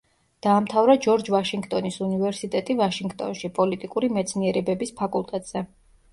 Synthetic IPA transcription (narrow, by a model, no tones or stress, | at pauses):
d̪̥aːmt̪ʰavɾad͡ʒɔɾd͡ʒvaʃiŋɡt̪ʼɔnisunivɛɾsit̪ʼɛt̪ʼivaʃiŋɡt̪ʼɔ̰nʃipʼɔlit̪ʼikʼuɾimɛt̪sʰniɛɾɛbɛbispʰakʼulˠt̪ʼɛt̪ʼz̥ɛ